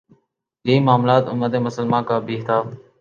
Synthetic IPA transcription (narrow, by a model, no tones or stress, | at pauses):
d͡ʒeiːmaːmlaːt̪ʊməd̪eːmʊsəlmãːkaːbʱiːɦt̪ʰaː